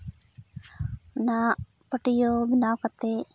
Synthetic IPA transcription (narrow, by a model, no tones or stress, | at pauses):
na | pəʈijobinaːkat̪ːe